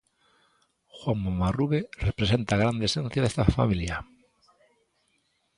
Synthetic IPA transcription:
xwaŋmomaruβerepɾesent̪aɣ̞ɾand̪esẽn̟θjaðest̪afa̰milja

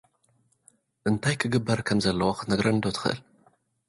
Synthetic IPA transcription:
ʔɨnt̪ʰajkʰɨɡɨbːɐɾkʰɐmzɐlːɐwoxɨnɐɡɾɐnd̪ot̪ʰɨ̥xɨʔɨ̰l

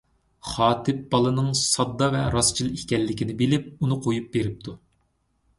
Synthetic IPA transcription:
χɑːt̪ʰɪp̚bɑlˠɨnɨŋsɑd̪ːɑvɛɾɑst͡ʃʰilˠikʲɛlːɪkʲinɪbɪlɪp̚unɨqʰojup̚beɾɪp̚t̪ʰu

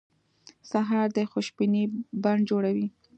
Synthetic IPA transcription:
saɦɑɾd̪əxʊʃbinibaɳ̚d͡ʒoɽawi

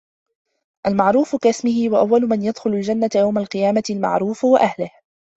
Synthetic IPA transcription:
ʔalmaʕɾuːfʊkasmɪhɪwaʔawːalʊmanjad̪xʊlʊld͡ʒanːat̪jawmalqɨjaːmaɪlma̰ʕɾˤuːfwaʔahlɪh

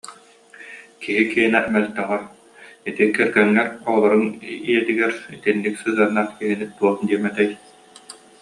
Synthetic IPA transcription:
kiɦikiɦinɛmɛlt̪ɛʁɛ | it̪ikɛɾɡɛŋːɛɾɔlˠɔɾɯniɛt̪iɡɛɾit̪inːiksɯːɦɯɐnːaːχkiɦinit̪uɔχd̪iɛmɛt̪ɛj

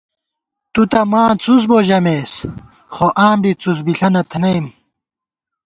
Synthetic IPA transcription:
t̪ut̪ɐmãːt͡sus̬boːʑɐmeːs | χoʔãːbit͡susbiɬɐnɐt̪ʰnɐjm

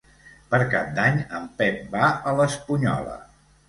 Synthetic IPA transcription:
pəɾkap̚d̪aɲəmpɛp̚baələspuɲɔ̰lə̰

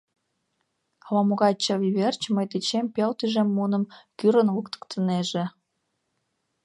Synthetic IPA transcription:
lɑmoɣɑt͡ɕːɑβiβʲert͡ɕməjt̪et͡ɕempʲelt̪yʒemːunə̆mkyɾənlukt̪ə̥kt̪ʰəneʒĕ

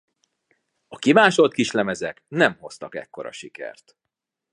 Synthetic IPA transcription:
ɒkimaːʃo̞t̪̚kiʃlɛmɛzɛknɛmho̞st̪ɒkɛ̰kːo̞ɾɒ̰ʃikɛ̰rt̪

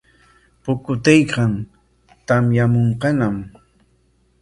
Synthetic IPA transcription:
pʊkʊt̪ejkɑn | t̪amjamoɴqɑnam

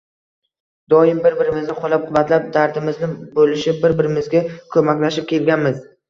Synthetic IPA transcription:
d̪̥ɒjɪmbɪɾbɪɾɪmɪznɪqʰolap̚qʰʊvat̪lap̚d̪aɾd̪ɪmɪznɪbolɪʃɪbɪɾbɪɾɪmɪzɡʲakʰɵmakʲlaʃɪp̚kʲe̞lɡʲanmɪz

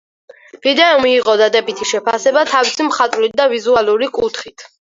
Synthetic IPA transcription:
vid̪ɛɔmiːʁʼɔd̪ad̪ɛbit̪ʰiʃɛpʰasɛbat̪ʰavisimχat̪ʼvlit̪̚d̪avizualˠuɾikʼut̪ʰχit̪ʰ

